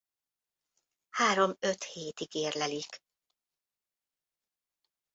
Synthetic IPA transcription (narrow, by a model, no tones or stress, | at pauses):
haːɾo̞møt̪heːt̪iɡeːrlɛlik